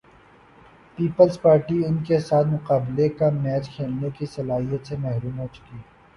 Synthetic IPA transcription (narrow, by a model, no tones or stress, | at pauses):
piːpəlzpaːɾʈiɪnkesaːt̪mʊqaːblekamɛːt͡ʃkʰeːlnekisɐlaːɦijət̪semɛɦɾuːmɦoːt͡ʃʊ̥kiː